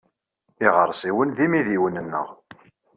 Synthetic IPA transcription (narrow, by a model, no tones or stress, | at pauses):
iʁəɾˤsiwənðimiðiwənənːə̰ʁ